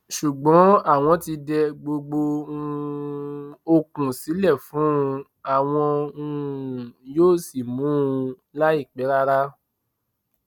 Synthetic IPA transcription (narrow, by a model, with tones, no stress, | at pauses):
ʃu˨ɡ͡bɔ̃˨˦a˦˨w̃ɔ̃˧ti˧dɛ˧ɡ͡bo˧ɡ͡bõ˧ | o˧kũ˨si˨˦lɛ˦˨fũ˨˦˧ | a˦˨w̃ɔ̃˧ũ˧˨ | joː˦˨si˦˨mũ˦˧ | la˦i˦˨k͡pɛ˨˦ɾa˦ɾa˦